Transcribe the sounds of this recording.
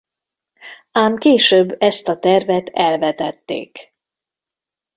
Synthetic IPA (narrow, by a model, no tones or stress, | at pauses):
aːmkeːʃøbːɛst̪ɒt̪ɛrvɛt̪ʰɛlvɛt̪ɛt̪ːḛːk